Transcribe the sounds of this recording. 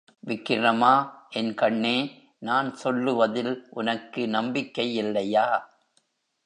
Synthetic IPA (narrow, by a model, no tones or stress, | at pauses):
ʋɪkːɪrɐmaːʔɛnkɐɳːeː | naːnsɔlːɯʋɐðɪlʔʊnɐkːɯnɐmbɪkːɐjɪlːɐjaː